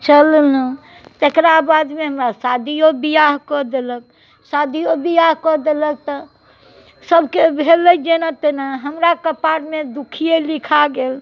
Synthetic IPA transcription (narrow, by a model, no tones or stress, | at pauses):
t͡ʃəlnə | t̪ekɾabad̪meɦəmɾasad̪ʱijobijaɦkɔd̪elək̚ | sad̪ʱijobijaɦkɔd̪elək̚t̪ɔ | səbʱkebʱeləd͡ʒenat̪enaɦəmɾakəpaɽmed̪ukʰijelikʰaɡel